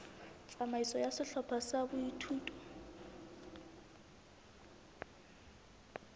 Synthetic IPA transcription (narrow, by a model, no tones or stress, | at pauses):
t͡sʼamaisɔjasɪɬɔpʰasabʊitʰuːtʼɔ̥